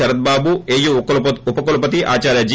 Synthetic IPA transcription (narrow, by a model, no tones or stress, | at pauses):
ɐɾɐd̪̚baːbueːjuupɐkolupɐt̪̬iʔa̰ːt͡ʃaːɾjɐd͡ʒi